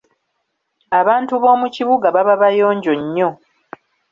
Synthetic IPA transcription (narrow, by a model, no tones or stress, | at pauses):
aβaːntuβo̞ːmuciβuɡaβaβaβajo̞ːɲɟo̞ɲːo̞